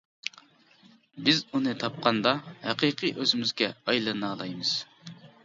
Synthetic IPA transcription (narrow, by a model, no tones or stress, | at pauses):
bɪzunɨt̪ʰɑp̚qʰɑnd̪ɑhæqiqʰɨʔøzɪmyzɡʲɛɑjlˠɑnɑːlˠɑjmɨz̥